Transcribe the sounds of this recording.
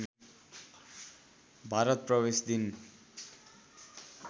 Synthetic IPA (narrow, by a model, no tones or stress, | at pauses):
bʱaɾʌt̪̚prʌbesd̪in